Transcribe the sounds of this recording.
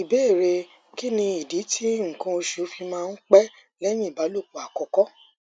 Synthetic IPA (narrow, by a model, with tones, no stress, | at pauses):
i˨be˨˦˨ɾe˧ | ki˦nĩ˧i˨di˨˦tʰi˦ŋ̩˨kã˧o˧ʃu˨˦fi˧mãː˧n̩˦k͡pɛ˦ | lɛ˦j̃ĩ˦i˨ba˨˦lo˦˨k͡pu˨a˨kɔ˧kɔ˦